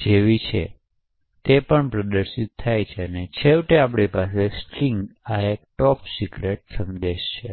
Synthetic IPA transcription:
d͡ʒeʋit͡ʃʰḛ | t̪epəɳpɾəd̪əɾʃit̪̚ʰːajt͡ʃʰeənet͡ʃʰeʋʈeapɽipasesʈiŋɡaek̚ʈɔpsiɡɾeʈsəmd̪eʃt͡ʃʰe

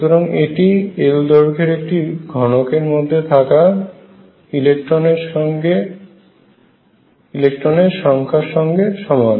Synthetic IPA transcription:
ut̪oɾaŋeʈield̪ɔɾkʰeɾek̚ʈiɡʱɔnokeɾmod̪ʱːet̪ʰaka | ilekʈɾoneɾʃɔɡe | ilek̚ʈɾoneɾʃɔŋkʰaɾʃɔŋɡeʃɔmɔan

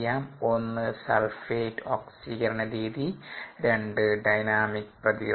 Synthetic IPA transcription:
aːmo̞nːɨsɐlfeːʈːoːksiɣɐɾɐɳɐɾiːðiɾe̞ɳɖɨɖɐjnaːmikːprɐði

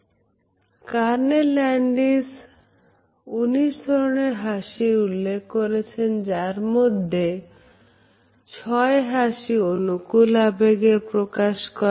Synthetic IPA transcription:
kaɾnelɛɳɖis | uniʃd̪ʱɔɾoneɾɦaʃiɾulːekʰːoɾet͡ɕʰend͡ʑaɾmod̪ʱːe | t͡ɕʰɔeɦaʃionukulabeɡepɾokaʃkɔɾa

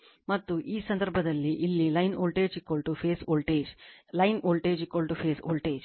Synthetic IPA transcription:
mɐt̪ːuʔiːsɐnd̪ɐɾbʱɐd̪ɐlːiʔilːilɐjnoːlʈeːd͡ʒikːoɭʈupʰeːsoːlʈeːd͡ʒlɐjnoːlʈeːd͡ʒikːoɭʈupʰeːso̰ːlʈeːd͡ʒ

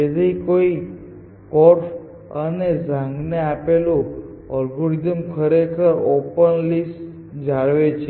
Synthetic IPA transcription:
ed̪ikoi | kɔɾf | əned͡ʒãŋɡneapelũ | ɔlɡoɾizəmkʰəɾekʰəɾopənlis | d͡ʒaɭʋet͡ʃʰe

